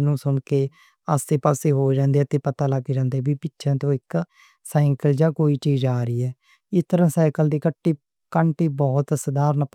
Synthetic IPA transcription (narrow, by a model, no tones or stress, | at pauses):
nũːsʊɳkeː | aseːpaːseːɦoːd͡ʒãːnd̪eːɛːt̪ẽːpət̪aːləɡd͡ʒãːnd̪eːbiːpɪtːʃʰɛ̃ːt̪õːɪk | saːɪŋkəld͡ʒaːkoːiːt͡ʃiːzaːɾiːɛː | ɪst̪əɾãːsaːkəld̪iːkəʈːiː | kəɳʈiːbɔːt̪səd̪aːɾnaːp